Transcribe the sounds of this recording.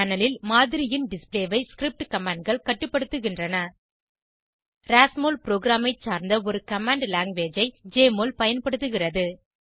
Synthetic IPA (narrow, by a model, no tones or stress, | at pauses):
aːnɐlɪlmaːðɪɾɪjɪnɖɪspleːʋɐɪskɾɪp̚ʈkɐmaːɳɖ̚ɡɐɭkɐʈːɯpːɐɽɯt̪ːɯɣɪndrɐnɐ | ɾaːsmoːlpɪɾoːɡɾaːmɐɪt͡ʃːaːɾnd̪ɐɔɾɯkɐmaːɳɖlaːŋɡʋeːd͡ʒɐɪd͡ʒeːmoːlpɐjɐnpɐɽɯt̪ːɯɣɪrɐðɯ